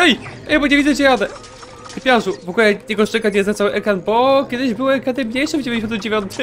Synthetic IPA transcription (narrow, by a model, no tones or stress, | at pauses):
ɛjɛjbɔɲevʲid̪zɛt͡ɕɛɾad̪ɛ | kpʲjaʐuvɔkulɛjɛɡɔʂt͡ʂɛkat͡ɕɛst̪atsawɘʔɛkɾanbɔkʲɛd̪ɘʑbɘwɛkɾanɛmɲejʂɨvd͡ʑevʲẽjɲd͡ʑeɕɔnt̪md͡ʑevʲjɔnt̪ʰɘ